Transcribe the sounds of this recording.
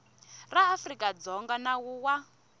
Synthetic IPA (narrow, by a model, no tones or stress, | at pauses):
raːfrikʼad͡zɔŋɡanawuwa